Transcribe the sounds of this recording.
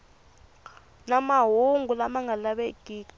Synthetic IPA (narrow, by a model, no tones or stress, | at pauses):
namaɦuŋɡulamaŋɡalaɓekiːk